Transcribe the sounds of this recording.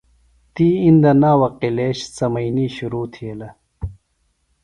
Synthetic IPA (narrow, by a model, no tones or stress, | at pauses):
t̪iːind̪ɐnaːwɐqileːɕt͡sɐmɐjniːɕuɾuːt̪ʰielɐ